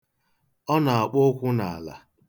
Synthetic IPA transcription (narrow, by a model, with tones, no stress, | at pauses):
ɔ˦na˨a˨k͡po˦kʷʊ˦na˨a˨la̰˨